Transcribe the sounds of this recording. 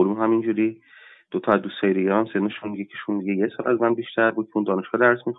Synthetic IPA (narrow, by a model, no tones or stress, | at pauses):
olumɦæmind͡ʒuɾi | d̪̥ot̪ʰɒæzd̪uːst̪hɒːjid̪eɡæɾæmsed̪nɔʃunmiɟekʰeʃund̪iɟejesɒːlʔæzmænbiʃt̪ʰæɾbuːd̪̚cʰeund̪ɒːne̞ʃɡ̥ɒːd̪æɾsmix